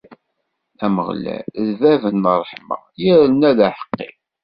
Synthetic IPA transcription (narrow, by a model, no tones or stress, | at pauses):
æmə̰ʁlæ̰ðvævənːərˤəħmɑ̰ | jiɾənæðæħə̥qːḭ